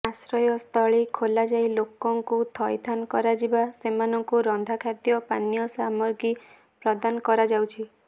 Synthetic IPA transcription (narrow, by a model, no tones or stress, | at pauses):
asɾɔjɔst̪ʰɔɭikʰolad͡ʒajlokɔŋkut̪ʰɔjt̪ʰankɔɾad͡ʒibasemanɔŋkuɾɔnd̪ʱakʰad̪jɔpanijɔsamɔɾɡi | pɾɔd̪anɔkɔɾad͡ʒawt͡ʃʰi